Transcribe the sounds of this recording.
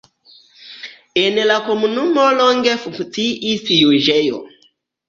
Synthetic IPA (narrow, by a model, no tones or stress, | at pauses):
enlako̞munumoloŋɡefuŋkt͡siʔisjuʒejo̰